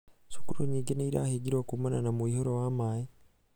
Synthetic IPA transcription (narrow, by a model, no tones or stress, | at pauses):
su̥kuɾuɲiːŋɡeneiɾa̰ːheɟiɾwakumananamuiːhoɾowamaːje